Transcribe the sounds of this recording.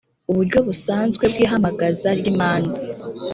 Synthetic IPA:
uβuɾɟo̞βusaːnzɡwe̞bɡiːɦamaɡazaɾɟimaːnzi

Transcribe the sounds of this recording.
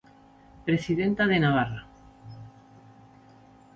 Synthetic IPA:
pɾesiðent̪aðenaβ̞ara

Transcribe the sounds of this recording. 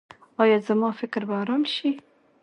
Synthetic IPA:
ɑːjɑːzəmɑːfɪkɾbaːɾɑmʃi

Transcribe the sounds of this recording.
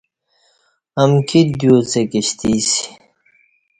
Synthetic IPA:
ɐmkʰid̪joːt͡sekiɕt̪ʰiːsii̥

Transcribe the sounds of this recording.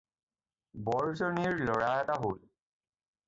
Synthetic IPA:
bɔɹzɔniɹlɔɹaɛtaɦol

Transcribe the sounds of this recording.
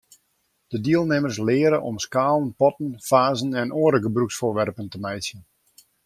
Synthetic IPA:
d̥ədiəlˠnɪmərslɪːəɾəʔɔmskaːlˠənpɔtənfaːzənɛnʔoəɾəɡəbruksfʊːrʋɛrpəntəmɛjsjən

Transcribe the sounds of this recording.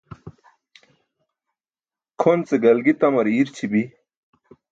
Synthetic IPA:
kʰont͡seɡɐlɡit̪ɐmɐɾiɾt͡ɕʰibi

